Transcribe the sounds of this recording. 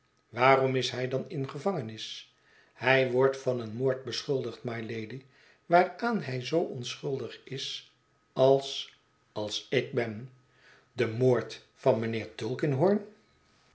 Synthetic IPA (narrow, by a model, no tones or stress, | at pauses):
ʋaːrɔmɪsɦɛjdɑnɪnχəvɑŋənɪs | hɛjʋɔɹtfɑnənmoːɹt̚bəsχʏlˠdəχtmajlejdi | ʋaːraːnɦɛjzowɔnsχɵlˠdəχɪs | ɑlˠs | ɑlˠsɪɡ̚bɛn | dəmoːɹt | fɑnmənɪːɹtɵlˠkənɦɔɹn